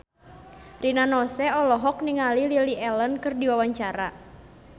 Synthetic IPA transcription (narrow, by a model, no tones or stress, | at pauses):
rinanɔsɛɔlɔɦɔk̚niŋalililiʔɛlənkɨrdiwawaɲt͡ʃaɾa